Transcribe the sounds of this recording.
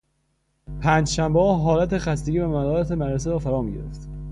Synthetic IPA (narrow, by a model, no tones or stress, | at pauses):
pʰæːnd͡ʒʃæmbeɒːɦɒːlæt̪e̞xæst̪eɟiːvæmædɒːɾæt̪ʰemæɾɾes̬eɾɒːfæɾɒːmiːɡɟḛɾḛft̪